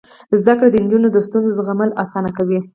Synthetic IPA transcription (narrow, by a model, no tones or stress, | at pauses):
zd̪akɽad̪ənd͡ʒunod̪əst̪unzozɣaməlasɑnakawi